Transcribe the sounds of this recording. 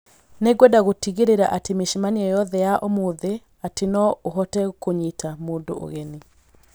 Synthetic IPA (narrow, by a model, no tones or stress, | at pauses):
neɡwɛdaɣotiɣeɾeɾaʔatemeʃimaniɛjɔðɛjaʔomoðe | atenɔoɦɔtɛkoɲitʰamoːndo̰ʔo̰ɣɛni